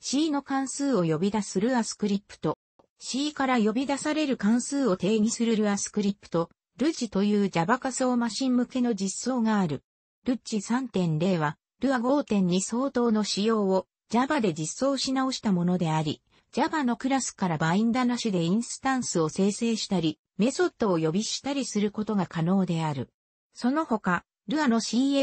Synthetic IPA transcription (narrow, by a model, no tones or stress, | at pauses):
ɕiːno̞kãɰ̃sɨːo̞jo̞bʲid̪asɨɾɯ̟asɨ̥kɯ̟ɾʲipːɯ̟̥t̪o̞ | ɕiːkaɾajo̞bʲid̪asaɾe̞ɾɯ̟kãɰ̃sɨːo̞t̪e̞ːɲ̟isɨɾɯ̟ɾɯ̟asɨ̥kɯ̟ɾʲipːɯ̟̥t̪o̞ | ɾɯ̟t͡ɕit̪o̞jɯ̟ːd͡ʑabakasoːmaɕĩmːɯ̟ke̞no̞d͡ʑisːo̞ːɡaːɾɯ̟ | ɾɯ̟t͡ɕisãnt̪ẽ̞nɾe̞ːβa | ɾɯ̟aɡo̞ːt̪ẽ̞ɲ̟ːiso̞ːt̪o̞ːno̞ɕijo̞ːo | d͡ʑabad̪e̞d͡ʑisːo̞ːɕinao̞ɕi̥t̪amo̞no̞d̪e̞aɾʲi | d͡ʑabanːo̞kɯ̟ɾasɨ̥kaɾabaĩnd̪anaɕɨd̪e̞ĩɰ̃sɨ̥t̪ãɰ̃sɨo̞se̞ːse̞ːɕi̥t̪aɾʲi | me̞so̞t̪ːo̞ːjo̞bʲiɕi̥t̪aɾʲisɨɾɯ̟ko̞t̪o̞ɡakano̞ːd̪e̞aɾɯ̟ | so̞no̞ho̞ka | ɾɯ̟ano̞ɕiːe